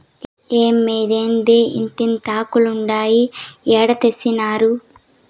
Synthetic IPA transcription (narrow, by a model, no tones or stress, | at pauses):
eːmːeːd̪eːnd̪eːḭnt̪int̪aːkuluɳɖaːjiɛːɽɐt̪esːinaːɾu